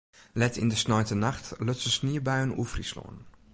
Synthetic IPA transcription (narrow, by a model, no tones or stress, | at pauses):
lɛtɪ̰ndəsnɔjtənaxtløtsəsniːəbajənṵfrislo̰ən